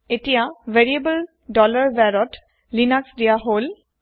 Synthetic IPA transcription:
etijaveɹiebəl | dɔlaɹbɛɹɔt | linaksdijaɦol

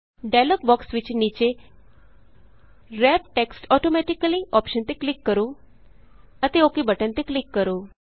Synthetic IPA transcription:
ɖalok̚bɔksʋit͡ɕenit͡ɕe | ɾɛp̚ʈeksʈɔʈomɛʈikəliʔɔpʃənt̪eklikːəɾu | ət̪eokibəʈənt̪eklikːəɾu

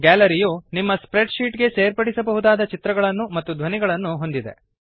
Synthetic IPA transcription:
ɡæːlɐɾijoːnimːɐspɾeɖʃiːʈɡe̞seːɾpɐɽisɐbɐɦud̪aːd̪ɐt͡ʃit̪ɾɐɡɐɭɐnːumɐt̪ːud̪ʱʋɐniɡɐɭɐnːuɦo̞nd̪id̪e̞̰

